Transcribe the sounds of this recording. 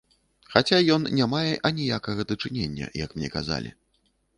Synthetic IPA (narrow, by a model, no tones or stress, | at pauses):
xat͡sʲajɔnnʲamajɛʔɐnʲijakɐɣɐd̪ɐt͡ʂɨnʲenʲːɐ̰jɐkmnʲɛ̰kaza̰lʲḭ